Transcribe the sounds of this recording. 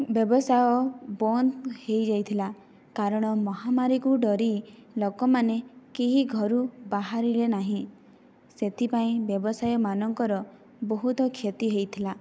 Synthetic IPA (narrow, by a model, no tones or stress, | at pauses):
bjɔbɔsajɔbond̪hejd͡ʒajt̪ʰila | kaɾɔɽ̃ɔmɔɦamaɾiɡuɖɔɾilokɔmanekiɦiɡʱɔɾubaɦaɾilenaɦĩ | set̪ʰipaĩbjɔbɔsajɔmanɔŋkɔɾɔ | boɦut̪ɔkʰjet̪iɦejt̪ʰila